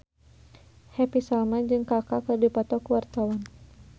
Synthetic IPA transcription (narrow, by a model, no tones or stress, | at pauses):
hɛpisalmad͡ʒɨŋkakakədipɔt̪ɔkuwart̪awan